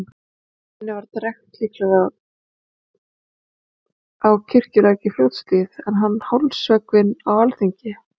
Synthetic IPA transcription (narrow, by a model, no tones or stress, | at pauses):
hɛnːɪvaɾt̪arɛxt̪liːklɛɣa | awcʰɪr̥cʏlaːjcɪfljowt̪st̪ɪðɛnɦanːhawlsœːkvɪnawalθiɲcɪ